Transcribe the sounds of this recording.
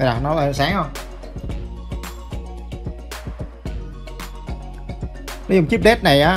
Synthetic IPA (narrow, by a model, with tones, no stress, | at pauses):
laː˨˩nɔ˨˦a˨˩˨saː˨˦ŋhə˧˩wŋ͡m | nɔ˨˦zʊ˨˩ŋ͡mt͡ɕi˦˥p̚ɗe˦˥t̚na˨˩jʔaː˨˦